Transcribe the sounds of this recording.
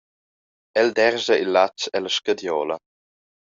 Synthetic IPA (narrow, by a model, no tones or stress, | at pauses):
ɛld̪ɛɾzəilːat͡ʃɛlaʃkad̪jɔːlə